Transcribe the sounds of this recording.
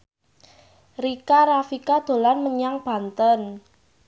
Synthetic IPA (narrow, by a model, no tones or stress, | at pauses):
rikaɾafikad̪̥o̤lanməɲaŋb̥a̤nt̪ən